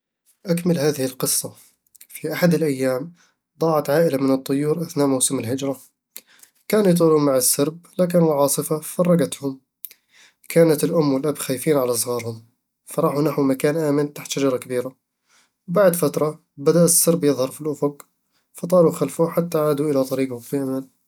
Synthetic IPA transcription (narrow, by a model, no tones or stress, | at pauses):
ʔakmɪlhaːðɪhɪlqɨsˤːɑ | fiʔaħad̪ɪlʔajːaːm | d̪ˤɑːʕɑt̪ʕaːʔɪlamɪnɨt̪ˤːʊjːuːɾʔaθnaːʔmawsɪmɪlhɪd͡ʒɾˤɑ | kaːnjt̪̬ˤuːluːmaʕɪsːɑɾb̚laːk̬ɪnʕɑːsˤɨfafɑrˤːɑɡat̪hʊm | kʰaːnat̪ɪlʔʊmːwɪlʔabxaːjfiːnʕalas̬ˤɣɑːɾhʊm | fɑɾˤɑːħunaħwmakaːnʔaːmɪnt̪aħt̪ʃad͡ʒɑɾˤɑkabiːɾa | wbaʕd̪fat̪ɾˤɑ | bad̪aʔsːɑɾbjɨðˤhɑɾˤfilʔʊfʊɡ | fɑt̪ˤɑːluxalfuħat̪ːaʕaːd̪uʔɪlat̪ˤɑɾiːɡhʊfiʔamal